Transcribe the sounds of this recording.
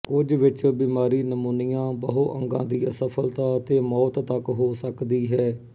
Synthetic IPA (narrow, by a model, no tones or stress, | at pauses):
kʊd͡ʒʋɪt͡ʃbiːmaːɾiːnəmuːnijãːbəɦoʔə̰̃ŋɡã̰ːd̪iːəsəpʰəlt̪aːət̪eːmɔːt̪t̪əkɦoːsəkd̪iːɦɛː